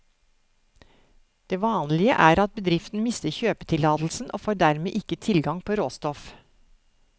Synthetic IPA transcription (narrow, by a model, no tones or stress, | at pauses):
d̪̥eːʋɑːnlɪə̰ʔæːɾɑt̪̚bəd̪ɾɪft̪n̩mɪst̪əɾçøːpət̪ʰɪlɑːd̪l̩sn̩ʔo̰ːfoːɖæɾmeːʔɪkət̪ʰɪlɡɑŋpʰoːɾoːst̪ɔf